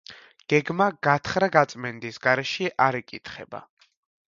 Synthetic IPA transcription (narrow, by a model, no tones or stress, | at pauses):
ɡ̥ɛɡmaɡ̥at̪ʰχɾaɡat̪sʼmɛnd̪isɡaɾɛʃiʔaɾɛkʼit̪ʰχɛ̰ba̰